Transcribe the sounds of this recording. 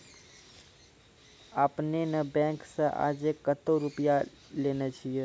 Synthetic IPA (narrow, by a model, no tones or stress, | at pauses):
aːpnenəbɛ̃ksãʔa̰d͡ʒekːət̪oɾʊpija | lenət͡ʃʰije